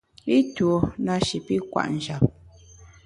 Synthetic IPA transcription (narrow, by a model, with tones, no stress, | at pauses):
i˦two˨na˦ʃi˨pi˦kwa̰˨ʔn̩˨d͡ʒa˨p̚